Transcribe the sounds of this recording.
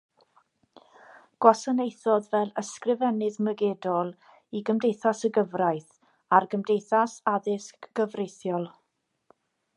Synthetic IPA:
ɡ̥wasənejθɔðvɛlˠəskrɪvɛnɨðməɡɛːdɔlˠ | iɡəmdejθasəɡəvrajθ | arɡəmdejθasaðɪskɡ̥əvrejθjɔlˠ

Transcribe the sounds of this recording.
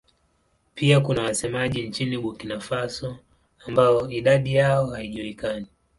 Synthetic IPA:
piakunawasɛmaʄint͡ʃiniɓukinafasɔ | ambaɔiɗaɗijaɔhaiʄuikani

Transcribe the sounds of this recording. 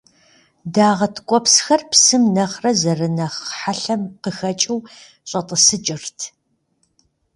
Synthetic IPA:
daːʁɐtʰkʷʼɔpsxɐrpsɨmnɐχrɐzɐrɨnɐχħaɬɐmqəxɐt͡ʃʼɨw | ɕʼɐtʼəsɨd͡ʒʼɪrtʰ

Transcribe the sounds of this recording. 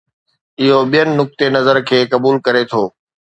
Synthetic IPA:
ɪɦoɓijənɪ̆ːʊk̚t̪enɐzəɾkʰeːkɐbuːlkɐɾet̪ʰoː

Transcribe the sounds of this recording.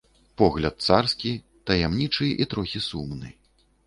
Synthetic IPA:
pɔɣlʲɐt̪̚t̪sarskʲi | t̪ɐjamnʲit͡ʂɨʔit̪ɾɔxʲisumnɨ̰

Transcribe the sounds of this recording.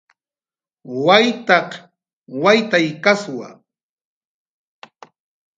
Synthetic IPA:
wajt̪ɑq | wajt̪ajkaswa̰

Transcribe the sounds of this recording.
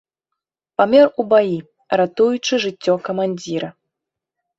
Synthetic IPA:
pamʲɛrubaji | ɾat̪ujut͡ʂɨʐɨt͡sʲːɔkɐmanʲd͡zʲiɾɐ

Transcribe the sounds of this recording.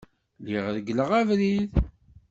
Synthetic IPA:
liʁɾəɡləʁævɾið

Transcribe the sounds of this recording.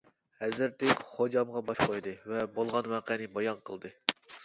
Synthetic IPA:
hɛzɪɾt̪ɪkʲχod͡ʒɑmʁɑbɑʃqʰojd̪ɨvɛbolˠʁɑnwɑqɛnɨbɑjɑnqʰəlˠd̪ɨ

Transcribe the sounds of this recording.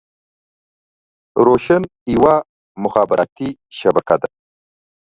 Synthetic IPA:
ɾoʃan | iwa | mʊxɑːbɪɾɑ̰t̪iʃabakad̪a

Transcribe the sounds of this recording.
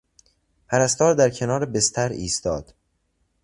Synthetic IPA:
pʰæɾæst̪ɒːɾd̪æɾcʰe̞nɒːɾebest̪ʰæɾiːst̪ɒːd̪̥

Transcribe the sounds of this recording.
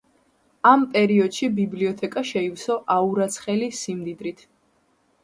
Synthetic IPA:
ampʼɛɾiɔd̪̥ʃibibliɔt̪ʰɛkʼaʃɛiwsɔʔauɾat̪sʰχɛlisimd̪id̪ɾit̪ʰ

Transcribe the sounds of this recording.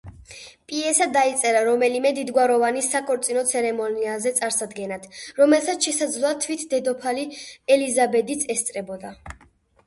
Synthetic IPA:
pʼiɛsad̪ait̪sʼɛɾaɾɔmɛlimɛd̪id̪ɡwaɾɔvanisakʰʼɔɾt̪sʼinɔt̪sʰɛɾɛmɔniazɛt̪sʼaɾsad̪ɡɛnat̪ʰɾɔmɛlˠsat̪sʃɛsad̪zlˠɔat̪ʰwit̪ʰd̪ɛd̪ɔpʰaliɛlizabɛd̪it̪sʰɛst̪sʼɾɛbɔd̪a

